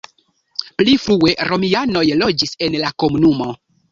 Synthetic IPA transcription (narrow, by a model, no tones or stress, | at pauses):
plifɾue̞ɾo̞miano̞jlo̞d͡ʒise̞nlako̞munumo̞